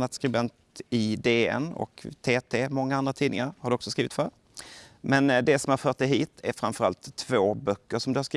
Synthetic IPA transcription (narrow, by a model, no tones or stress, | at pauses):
at̪skɾɪbɛnt̪ɪd̪eːɛ̰nɔ̰kt̪ʰeːt̪ʰeːmɔŋːaand̪ɾat̪ʰiːd̪ɪŋaɾhaɖɵɔksɔskɾiːvɪt̪fœɾ | mɛnd̪ɛsɔmhaɾfœːʈ̚d̪ɛjɦiːt̪ʰæɾfɾanfœɾa̰lt̪ʰːvoːbœkːəʂɔmd̪ɵhaɾʂkɾ